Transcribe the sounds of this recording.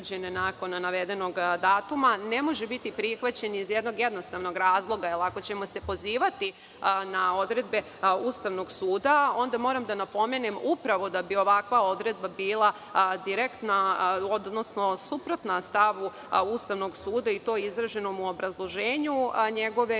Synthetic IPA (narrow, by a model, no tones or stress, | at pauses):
d͡ʑenenako̞nnaʋe̞d̪e̞no̞ɡd̪aːt̪umane̞mo̞ʒebit̪ipɾixʋat͡ɕe̞niizjed̪no̞ɡje̞d̪nost̪aʋno̞ɡɾaːzlˠo̞ɡaɛlako̞t͡ɕe̞mo̞se̞po̞ziːʋat̪i | nao̞d̪ɾe̞d̪be̞ | ust̪aʋno̞ɡsuːd̪ao̞nd̪amo̞ːɾamd̪anapo̞me̞nemupɾaʋo̞d̪abio̞ʋakʋao̞d̪ɾe̞d̪̚babiːlˠa | d̪iɾekt̪naod̪no̞sno̞supɾo̞t̪nast̪aʋu | ust̪aʋno̞ɡsuːd̪ait̪o̞ːizɾaʒe̞nomuobɾazlˠo̞ʒeːɲuɲeɡo̞ʋe̞